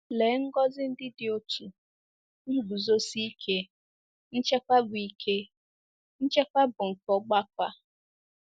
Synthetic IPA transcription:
le˨˦ŋ̩˦ɡɔ˦zɪ˦n̩˦dɪ˦dɪ˨o˦tʰu˨ | n̩˦bu˨zo˦si˦i˦kʰe˦ | n̩˦t͡ʃe˦kʷa˦bʊ˨i˨kʰe˦ | n̩˦t͡ʃe˦kʷa˦bʊ˨ŋ̩˨kɔ˦ɡ͡ba˦k̚ʷa˦

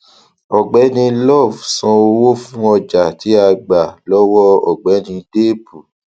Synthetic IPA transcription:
ɔ˨ɡ͡bɛ˨˦nĩ˧lɔ˦˨vsɔ̃˧o˧wo˦fũ˦ɔ˧d͡ʒa˨ti˨˦a˧ɡ͡ba˨lɔ˦wɔ˦ɔ˨ɡ͡bɛ˨˦nĩ˧de˦˨bu˨

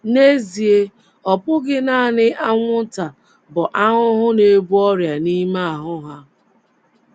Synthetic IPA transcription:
ne˦zi˨e˦ | ɔ˨pʊ˦ɡɪ˦na˦a˦˨nɪ˦ʔa˦ŋʷʊ˦ta˨ | bʊ˨ʔa˦ɦʊ˦ɦʊ˦ne˦bu˦ɔ˦ɾja˨ni˦ma˦a˨ɦʊ˦ɦa˦

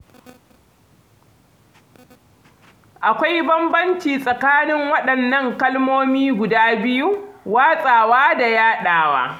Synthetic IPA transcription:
ʔa˨kʷa˦jbɐ˦mbɐ˦nt͡ʃiː˨sʼɐ˨kaː˦nɪ˦ŋwɐ˦ɗɐ˨nːɐ˦ŋkɐ˦lmoː˦miː˦ɡʷʊ˨daː˦bɪ˦ju˦waː˦sʼaː˨waː˦da˨jaː˦ɗaː˨wa̰ː˦

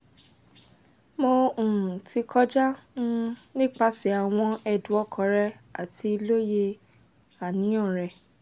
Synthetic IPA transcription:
mo˧ũ˨ũ˨tʰi˧kʰɔ˦d͡ʒa˦nũ˦nĩ˦k͡pa˧si˨˦a˨w̃ɔ̃˧ɛ˨dũ˨˦ɔ˧˦kʰɔ̃˨˦ɾɛ˧a˨tʰi˧i˧lo˦je˧ | a˨nĩ˨˦ɔ̃˦˨ɾɛ˨

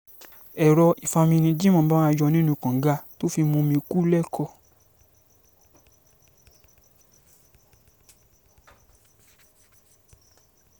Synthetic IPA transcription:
ɛ˨ɾɔ˧i˨fa˧mĩ˧nĩ˧d͡ʒi˦mɔ̃˧˨˦ba˦ã˦˧˦jɔ˧nĩ˦nũ˧kã˨˦ɡa˧˦to˦fi˧mũ˧mĩ˧ku˦lɛ˦kʰɔ˧˨

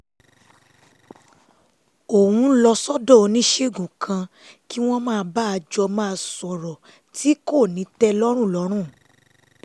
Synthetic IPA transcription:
o˨wũ˧˦lɔ˧sɔ˦dɔ̃˦˨o˨˧nĩ˦ʃe˦˨ɡũ˨kʰã˧ | ki˦w̃ɔ̃˦mãː˦˧ba˦a˧d͡ʒɔ˧mãː˦˧˦sɔ˨ɾɔ˨ | ti˦ko˦˨nĩ˨˦tɛ˦lɔ˦ɾ̃ũ˦˨lɔ˨˦ɾ̃ũ˦˨

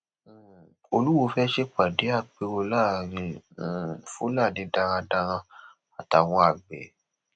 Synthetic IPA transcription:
o˧lu˦wo˧fɛ˦ʃe˦k͡pa˨de˨˦a˦˨k͡pe˧wo˧laː˦˨ɾĩ˧˨ | fu˦la˦˨nĩ˨˦da˧ɾ̃ã˧da˧ɾ̃ã˧ | a˨ta˨w̃ɔ̃˧a˨ɡ͡bɛ̰˨˦

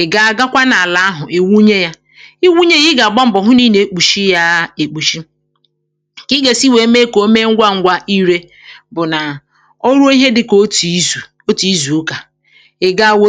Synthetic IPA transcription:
ɪ˨ɡa˦a˨ɡa˦kʷa˦na˨a˨la˦a˦ɦʊ˨i˨wu˦ɲe˦ja˦ | i˦wu˦ɲe˦ji˦ɡa˨ɡ͡bɔ˦m̩˦˨bɔ˨ɦʊ˦ni˦ne˨e˨k͡pu˨ʃi˦ja˦e˨k͡pu˨ʃi˦ | kɪ˦ɡe˨si˦we˨˦me˦ko˦me˦ŋ̩˦ɡʷa˦ŋ̩˦ɡʷa˦ʔi˦ɾe˦ | bʊ˨na˨ | o˦ɾu˦o˦i˦ɦe˦dɪ˨ko˦ti˨˦zu˨ | o˦ti˨˦zu˨˦ka˨ | e˨ɡa˦˨wo˦

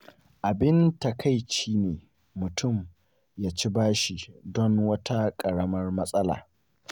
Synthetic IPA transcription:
ʔa˨bɪ˦nta˨kʰa˦˨jʃiː˦neː˨ | mʊ˨tʰʊ˦˨m | jaː˦t͡ʃi˦baː˦ʃi˨dɔ˦ŋwɐ˦tʰa˦kʼɐ˨ɽɐ˦mɐ˦rmɐ˦sʼɐ˦la̰ː˨

